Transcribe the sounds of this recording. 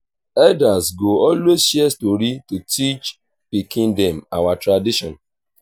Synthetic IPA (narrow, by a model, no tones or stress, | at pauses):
ɛdasɡoɔlwezʃiɛstoɾitutʰit͡ʃ | pikĩndẽmawatɾadiʃɔ̰̃n